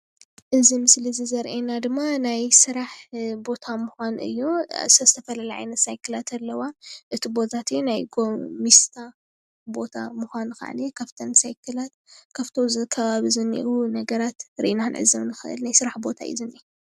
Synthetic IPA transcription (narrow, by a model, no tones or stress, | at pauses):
ʔɨzimɨslizizɐɾʔenad̪ɨmːanajsɨɾaħbo̞t̪ʰamuxʷanʔɨ̰jːo̰zɐzɨt̪ʰɐfɐlɐlɐʕa̰jnɐt̪sajkʰɨlat̪ʰɐlːɐwaʔɨt̪ʰibo̞t̪ʰat̪ɨjunajɡomist̪ʰa | bot̪ʰa̰muxʷanɨxa̰ʕ̰nikʰɐft̪ʰɐnsajkʰɨlat̪̚kʰɐft̪ʰozɨkʰɐβaβizɨnḭʔunɐɡɐɾat̪ɾḭʔnaɨnʕɨ̰zɐmnɨxɨ̰ʔɨ̰lnajsɨɾaħbo̞t̪ʰa̰ʔḭzɨni